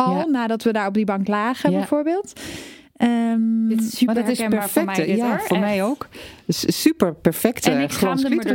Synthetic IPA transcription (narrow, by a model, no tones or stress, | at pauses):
ɔɔlˠnaːdɔtʋədaːɹɔb̚dibɑŋklaːχəjbɛjfoːɹbɪːlˠt | ə | tɪspɛfɛtəjafoːɹmɛjowkssypəɹpɛɹfɛktəχropi